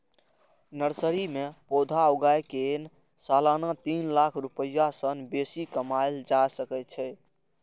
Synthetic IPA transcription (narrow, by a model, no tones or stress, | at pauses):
nəɾsəɾimepod̪ʱaoɡajken | salanat̪inlakʰɾupəjːasənbesikəmajld͡ʒasəkɛt͡ʃʰɛ